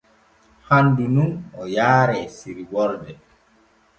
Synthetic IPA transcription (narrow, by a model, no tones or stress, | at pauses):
handununɔjaːɾɛsiɾiwɔldɛ